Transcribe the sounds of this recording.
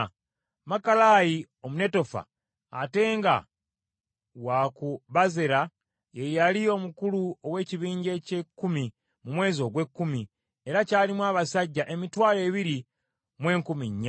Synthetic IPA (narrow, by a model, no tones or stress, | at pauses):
makalaji | o̞mune̞to̞fa̰ː | te̞ːŋɡa̰ | wakuβazeɾa | jejalio̞mukuluo̞we̞ːciβiːɲɟe̞cekːumi | mumwe̞ːzo̞ːɡwe̞kːumi | e̞ɾacaːlimwaːβasaɟːaʔe̞mitwaːle̞ːβiɾi | mwe̞ːŋkumiɲːa